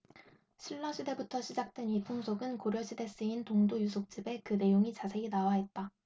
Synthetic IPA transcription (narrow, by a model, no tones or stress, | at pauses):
ɕʰiɭːʌɕʰide̞butʰʌɕʰid͡ʑak̚t͈we̞nipʰoŋsʰoɡɯnkoɾjʌɕʰide̞s͈ɯintoŋdojusʰok̚t͡ɕ͈ibe̞kɯne̞joŋit͡ɕasʰe̞inawaɦe̞t̚t͈a